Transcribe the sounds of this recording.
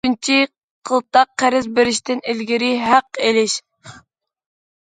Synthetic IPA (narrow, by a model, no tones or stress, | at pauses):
ynt͡ʃʰi | qʰəlˠt̪ɑqːæɾɪzbɪɾɪʃt̪ʰɪnɪlɡʲiɾɪɦæqːelɪʃ